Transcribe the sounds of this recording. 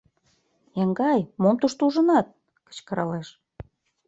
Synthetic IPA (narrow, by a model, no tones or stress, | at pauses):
jɑŋɡɑjmomt̪uʃt̪uʒə̆nɑt̪̚ | kə̥t͡ɕkə̆ɾɑ̰leʃ